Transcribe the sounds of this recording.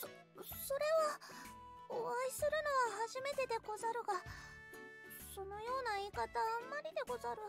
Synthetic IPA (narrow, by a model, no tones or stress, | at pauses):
so̞ɾe̞βa | oβaisɨɾɯ̟no̞ɡahaʑime̞t̪e̞d̪e̞ko̞zaɾɯ̟ɡa | so̞no̞jo̞ːnaiːkat̪ãːmːaɾʲid̪e̞ko̞zaɾɯ̟